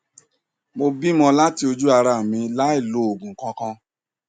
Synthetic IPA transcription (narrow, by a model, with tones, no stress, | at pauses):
mo˧bi˦mɔ̃˧la˦ti˧o˧d͡ʒu˦a˧ɾa˧˨mĩ˧la˦i˦˨lo˨˦o˨ɡũ˨kã˧˦kã˧